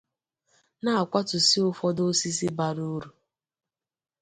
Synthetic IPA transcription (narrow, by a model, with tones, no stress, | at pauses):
na˦a˨kʷa˦tʊ˨si˦ʊ˦fɔ˦do˦si˦si˦ba˨ɾu˦ɾu˨